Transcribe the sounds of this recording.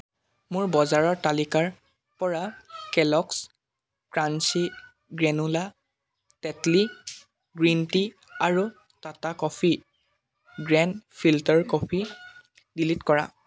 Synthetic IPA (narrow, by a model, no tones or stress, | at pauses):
mʊɹbɔzaɹɔɹtalikaɹ | pɔɹakɛlɔks | kɹansi | ɡɹɛnula | tɛtli | ɡɹinti | aɹu | tatakɔpʰi | ɡɹɛnpʰiltɔɹkɔpʰi | dilitkɔɹa̰